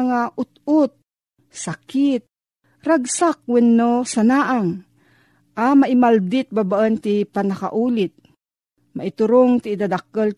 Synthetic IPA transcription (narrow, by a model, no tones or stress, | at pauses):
ŋaʔʊt̪ʊt̪̚ | sakit̪̚ | ɾaɡsak̚wɛnːosanaːʔaŋ | ʔamaʔimald̪ɪt̪̚babaʔənt̪ipanaka̰ʔuːlɪt̪̚ | maʔɪt̪ʊɾoŋt̪ɪːd̪ad̪akəl